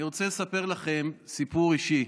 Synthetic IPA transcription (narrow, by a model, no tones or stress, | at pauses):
iʁot͡selesape̞ʁlaχe̞msipuʁiʃi